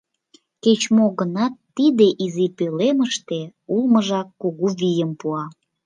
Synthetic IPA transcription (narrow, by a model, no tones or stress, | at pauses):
ket͡ɕmoɣənɑt̪ːid̪eʔizipøleməʃt̪eulməʒɑkːoɣuβijəmpuɑ